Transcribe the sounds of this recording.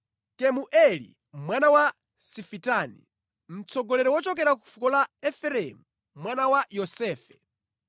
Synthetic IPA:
kɛmuʔɛlḭ | mwanawa | sifitaːnḭ | m̩t͡sʰɔɡɔlɛɾɔwɔt͡ʃɔk̬ɛɾaku̥fukɔlaɛfɛɾɛmu | mwanawajɔsɛːfɛ̥

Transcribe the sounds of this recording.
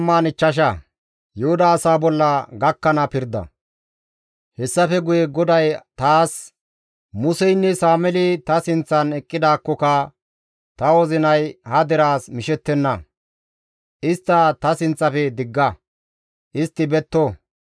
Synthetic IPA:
mːaːnɪt͡ʃːɐʃ̬ɐ | jɛhʊd̪ɐːsaːbɔlːɐɡɐkːɐnɐpɪɾd̪ɐ̰ | hɛsːɐfɛɡʊjɛɡɔd̪ɐjt̪aːs | mʊsɛjnːɛsaːmɛlɪt̪ɐsɪnt͡sːɐnɛkʼːɪd̪aːkːɔkɐ | t̪ɐwɔzɪnɐjhɐd̪ɛɾaːsmɪʃɛt̪ːɛnːɐ | ʔɪst̪ːɐt̪ɐsɪnt͡sʼːɐfɛd̪ɪɡːɐ | ʔɪst̪ːɪbɛt̪ːo

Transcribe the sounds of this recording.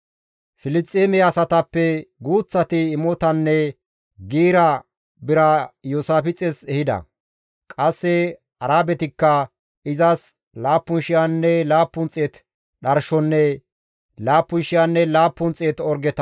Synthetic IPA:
fɪlɪtʼːeːmɛɐsɐt̪ɐpːɛɡuːt͡sːɐt̪ɪːmɔt̪ɐnːɛ | ɡiːɾɐ | bɪɾɐjoːsaːfɪt͡sʼɛsɛhɪd̪ɐ̰ | kʼɐsːɛ | ɐɾaːbɛt̪ɪkːɐ | ɪzɐs | laːpːʊnʃɪjanːɛlaːpːʊnt͡sʼeːt̪ | ɗɐɾʃɔnːɛ | laːpːʊnʃɪjanːɛlaːpːʊnt͡sʼeːt̪ɔɾɡɛt̪ɐ

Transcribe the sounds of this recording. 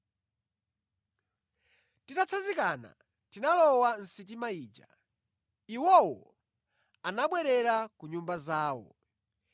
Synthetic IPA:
titat͡sʰazikana̰ | tinalɔwan̩sit̬imaiːd͡ʒa̰ | iwɔwɔ̰ | anaɓwɛɾɛɾakuɲumbazaːwɔ̰

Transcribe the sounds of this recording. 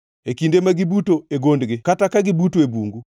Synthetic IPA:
ekindemaɡibutoeɡondɡekatakaɡibutoebuŋɡu

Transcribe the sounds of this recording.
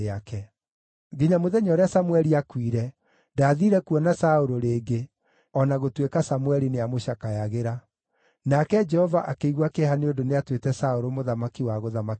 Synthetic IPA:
eakɛ | ɡiɲamoðɛɲɔːɾeasamwɛɾiakwiɾɛ | ndaːðiːɾɛkuɔnasaoɾoɾeːɡe | ɔnaɣotwekasamwɛɾineamoɕakajaɣeɾa | nakɛd͡ʒɛhɔvaʔakeiɣwakehaneodoneatwetɛsaoɾomoðamakiwaɣoðamak

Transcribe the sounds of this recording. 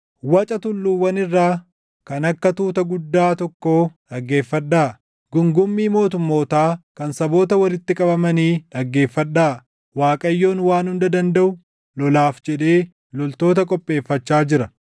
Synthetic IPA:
wɐt͡ʃʼɐt̪ʊlːuːwɐnɪrːaː | kɐnɐkːɐt̪uːt̪ɐɡʊd̪ːaːt̪ɔkːo̞ːᶑɐɡːe̞ːfːɐᶑːaː | ɡʊŋɡʊmːiːmo̞ːt̪ʊmːo̞ːt̪aːkɐnsɐbo̞ːt̪ɐwɐlɪt̪ːɪkʼɐbɐmɐniːᶑɐɡːe̞ːfːɐᶑːaː | waːkʼɐjːo̞ːnwaːnhʊnd̪ɐd̪ɐnd̪ɐʔʊ | lɔlaːfd͡ʒɛᶑe̞ː | lɔlt̪o̞ːt̪ɐkʼɔpʼːe̞ːfːɐt͡ʃːaːd͡ʒɪɾɐ

